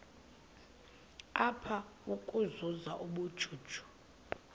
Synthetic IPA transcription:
apʰaukʼuzuzaʔuɓud̥ʒ̥ʱuːd̥ʒ̥ʱu̥

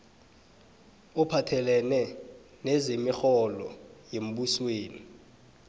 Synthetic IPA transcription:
upʰatʰɛlɛnɛ | nɛzemixɔlɔ̰jem̩ɓusweːni

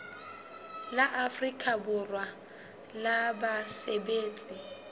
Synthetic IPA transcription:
laʔafrikʼabʊrwa | labasebeːt͡sʼi

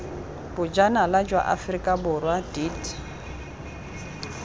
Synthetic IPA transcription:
bʊd͡ʒanalad͡ʒwa̰ʔa̰frikʼabʊrwadit

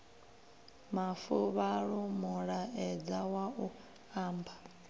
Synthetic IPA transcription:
mafuβaɺumuɺaɛd͡zawau | aːmba

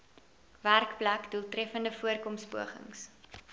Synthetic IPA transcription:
værkplækdulˠtrɛfəndəfuərkɔmspuəχə̰ŋs

